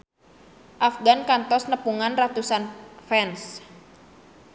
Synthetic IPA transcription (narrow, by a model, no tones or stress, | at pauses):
ʔafɡankant̪ɔsnəpuŋanrat̪usanfɛns